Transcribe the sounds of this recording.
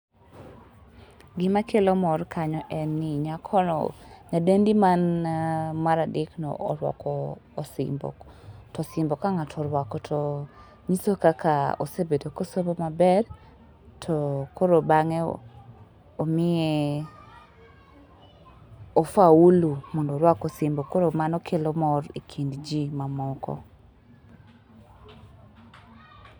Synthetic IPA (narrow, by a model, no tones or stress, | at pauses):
ɡɪmakʰelɔmɔrkʰaɲɔʔɛnːɪɲakʰɔnɔ̰ɲadendimanamaɾadɪknɔ̰ʔɔ̰lwɔ̰kɔːsɪ̰mbɔ̰ | tɔsɪmbɔkaŋatʰɔɾwakɔtʰɔ | ɲisokakao̰sebedokosobomabɛr | tʰɔkʰoɾobaŋɛ | omɪe | ofaulumɔndoɾwakɔsɪmbɔkoɾomanɔkʰelɔmɔɾikʰindd͡ʒimamɔkɔ̰